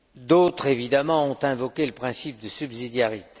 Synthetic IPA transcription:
d̪ot̪χevid̪amɑ̃ɔ̃t̪ɛ̃vɔkʲeləpχɛ̃sip̚d̪əsybzid̪jaʁit̪e̥

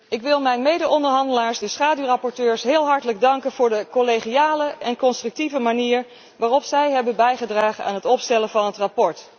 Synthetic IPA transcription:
ɪkʋɪlˠmɛjnmejdəɔndəɹɦɑndəlaːɹsdəsχaːdyrɑpɔɹtøːɹsɦɪːlˠɦɑɹtələɡ̚dɑŋkənv̥ʊːɹdəkoleχiaːləʔɛnkɔnstrɵk̚tivəmaniːɹ | ʋaːrɔpsɛjɦɛbənbɛjχədraːχəna̰ːnɦətɔpstɛlənvɑnɦətrapɔɹt

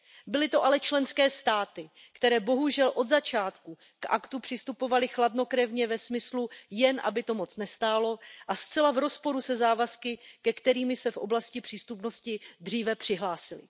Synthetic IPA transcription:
bɪlɪt̪o̞ʔalɛt͡ʃlɛnskɛːst̪aːt̪ɪ | kt̪ɛɾɛːbo̞ɦuʒɛlʔo̞d̪zat͡ʃaːt̪ku | kʔa̰kt̪upr̥ɪst̪upo̞valɪxladno̞kɾɛvɲɛvɛsmɪslujɛnʔa̰bɪt̪o̞mo̞t͡snɛst̪aːlo̞ʔast͡sɛlavɾo̞spo̞ɾusɛzaːvaskɪkɛkt̪ɛɾiːmɪsɛfʔo̞̰blascɪpr̥iːst̪upno̞scɪd̪r̝iːvɛpr̝̥ɪɦlaːsɪlɪ̰

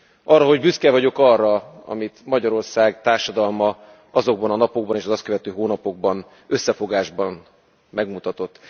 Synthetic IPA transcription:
ʔɒrːɒɦo̞ɟbyskɛvɒɟo̞kɒrːɒɒ̰mit̪mɒɟɒɾo̞rsaːɡt̪aːrʃɒd̪ɒlmɒ | ɒzo̞ɡ̚bɒnɒnɒpo̞ɡ̚bɒneːʃɒzɒst̪køvɛt̪øːɦoːnɒpo̞ɡ̚bɒn | ø̞sːɛfo̞ɡaːʒbɒn | mɛɡmut̪ɒt̪o̞t̪ː

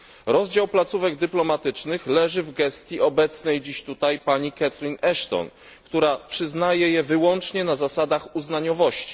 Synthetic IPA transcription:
ɾɔzd͡ʑawplat̪suvɛɡd̪ɘplɔmat̪ɘt͡ʂnɘxlɛʐɘvɡɛst̪ʲjiɔbɛt̪snɛjd͡ʑiɕt̪ut̪ajpaɲikat̪ɾinɛʂt̪ɔ̰n | kt̪uɾapʂɘznajɛjɛvɘwɔnt͡ʂɲɛnazasad̪axuznaɲɔvɔɕt͡ɕi̥

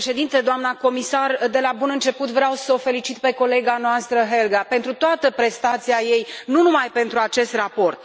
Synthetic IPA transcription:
ʃe̞d̪int̪e̞d̪oamnako̞misard̪elabunɨnt͡ʃe̞put̪vɾeawsəofe̞lit͡ʃit̪pe̞ko̞le̞ɡanoast̪ɾəɦe̞lɡape̞nt̪ɾut̪oat̪əpɾe̞st̪at̪siaje̞jnunumajpe̞nt̪ɾuat͡ʃe̞st̪rapo̞rt̪̚

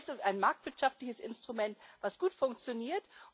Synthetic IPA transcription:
sɪstaɪnmaɐk̚tv̥ɪɐtʃaftlɪçəsɪnstʁ̥umɛntv̥asɡ̥uːtfʊŋk̚t͡sjoniːɐt

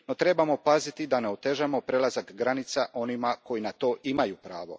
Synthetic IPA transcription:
no̞t̪ɾe̞bamo̞pazit̪id̪aneot̪e̞ʒamo̞pɾelazakɡɾanit̪saʔo̞nimako̞jinat̪o̞ːʔimajupɾaːʋo̞̰

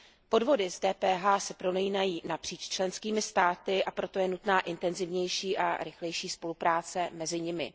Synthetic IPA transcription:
po̞dvo̞dɪzdɛːpɛːɦaːsɛpɾo̞nɛjinajiːnapr̝̥iːt͡ʃt͡ʃlɛnskiːmɪst̪aːt̪ɪʔapɾo̞t̪o̞jɛnut̪naːʔɪnt̪ɛnzɪvɲɛjʃiːʔa̰ɾɪxlɛjʃiːspo̞lupɾaːt͡sɛmɛzɪɲɪmɪ̰

